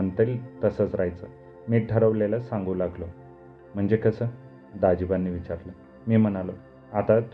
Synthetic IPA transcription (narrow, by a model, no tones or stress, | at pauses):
ənt̪elt̪əsət͡sɾajt͡sə | miːʈəɾəʋlelasãŋɡũːlaɡlo | m̤əɳd͡zekəsəː | d̪ad͡ʑibanːiːʋit͡ɕaɾlə | miːm̤ənalo | at̪at̪